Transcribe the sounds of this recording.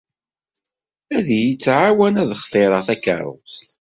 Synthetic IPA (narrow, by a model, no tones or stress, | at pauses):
æðjit͡sːʕawænæðəχθˤeɾˤɑθækə̰ɾˤʊ̰st̪